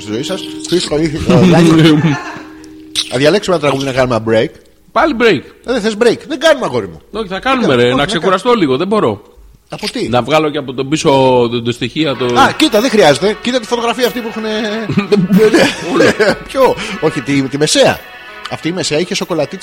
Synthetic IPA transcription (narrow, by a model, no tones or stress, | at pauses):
st̪izo̞isɐsfiskoiθilɐ | ɐðʝɐleksmetɐt̪ɾɐɣuðjinɐkɐnumeɐbɾejk | pɐlibɾejkðeθezbɾejkðe̞ŋɡɐnumeɐɣo̞ɾimṵoçiθɐkɐnumeɾenɐkse̞xuɾɐst̪o̞liɣoðebo̞ɾo̞ | ɐpo̞t̪inɐvɣɐlo̞ceɐpot̪obisod̪ost̪içiɐt̪oɐcit̪ɐðexɾiɐze̞t̪e̞cit̪ɐt̪ifot̪oɣɾɐfiɐːft̪ip̬uexune̞ | ne | pçooçit̪it̪ime̞se̞ɐ̰ | ɐft̪iːme̞seɐiçe̞so̞ko̞lɐt̪i